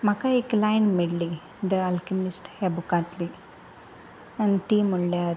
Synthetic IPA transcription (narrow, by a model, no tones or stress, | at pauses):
makaiklajɳmiɽli | d̪əalkimisʈhebukãt̪li | ənt̪imuɭljaɾ